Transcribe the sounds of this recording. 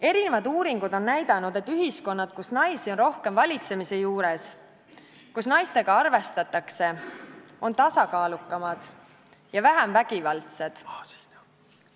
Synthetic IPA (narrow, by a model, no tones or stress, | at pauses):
e̞ɾine̞vɑd̪uːɾiŋɡ̥ud̪o̞nnæjd̪̥ɑnud̪̥e̞t̪ːyɦisko̞nːɑd̪̥̚kusnɑjsio̞nro̞hke̞mvɑlʲit̪se̞mise̞juːɾe̞s | kusnɑjst̪e̞ɡ̥ɑɑrve̞st̪ɑt̪ːˑɑkse̞ | o̞nt̪ɑsɑkɑːlukːˑɑmɑd̪̥ | jɑvæɦæmvæɡ̥ivɑlt̪se̞d̪̥